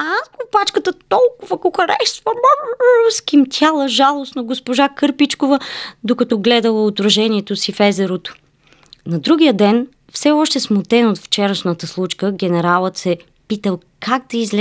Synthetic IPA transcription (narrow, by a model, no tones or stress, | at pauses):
akopat͡ʃkət̪ət̪ɔlˠkʊvəkoxɐɾɛʃt̪vɐm | skimt̪ʰʲjalˠəʒalˠosnoɡospoʒakɤɾpit͡ʃkovəd̪okɐt̪ɔɡlɛd̪əlˠəot̪ɾɐʒɛniɛt̪osifɛzɛɾot̪o̥ | nɐd̪ɾuɡʲijəd̪ɛn | fsɛɔʃt̪ɛsmot̪ɛnot̪ft͡ʃɛɾəʃnət̪əslˠut͡ʃkəɡɛnɛɾalˠət̪sɛ | pit̪əlˠ | kʰaɡ̚d̪ɐizlɛ